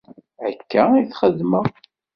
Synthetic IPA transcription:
ʕəkːæiθχəðmə

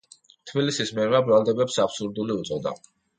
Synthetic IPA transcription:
t̪ʰbilisismɛɾmabɾalˠd̪ɛbɛpsapsuɾd̪uliut̪sʼɔd̪a̰

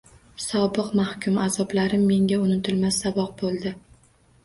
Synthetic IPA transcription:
sɒbɨqmahkʲʰʊmazɒblaɾɪmːe̞ŋɡʲaʊnɪt̪ʰɪlmasːabɒq̚bolˠd̪ɪ

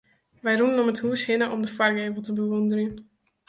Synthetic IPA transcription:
ʋɛjrunənɔməthuəshɪnəʔɔmdəfarɡeːvəlˠtəbəʋɔndərjən

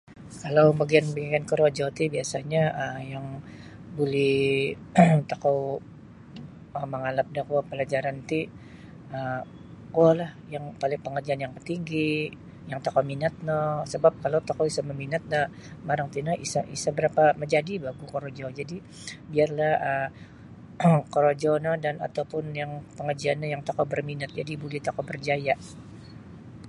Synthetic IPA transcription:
kalawbaɡianbəɡankəɾod͡ʒɔt̪ibiasaɲaəjaŋ | bulɪh | t̪akaw | əməŋalap̚dahkuapəlad͡ʒaɾant̪i | ə | kualahjaŋpalɪŋpəŋərd͡ʒianjaŋpərt̪iŋɡi | jaŋt̪akawminat̪̚nɔsəbap̚kalowt̪akɔisaməminat̪̚nah | maɾaŋt̪inaisaʔisabəɾapaməɲd͡ʒadibaɡukoɾod͡ʒɔd͡ʒadi | biarlahə | koɾod͡ʒɔnadana̰t̪awpʊnjaŋpəŋərd͡ʒianːajaŋt̪akɔbərminat̪̚d͡ʒadibulɛht̪akɔbərd͡ʒajaʔ

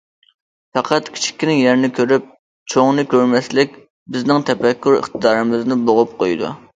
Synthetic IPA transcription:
fæqʰɑt̪kʲʰi̥t͡ʃʰi̥kʲːinɪŋjɛɾɪnɪkʲʰøɾyp̚ | t͡ʃʰoŋnɨkʲøɾmɛslɪk̚ʲ | bɪznɪŋt̪ʰɛfɛkʲːyɾə̰χt̪ɨd̪ɑːɾɨmɪznɪboʁʊp̚qʰojd̪ṵ

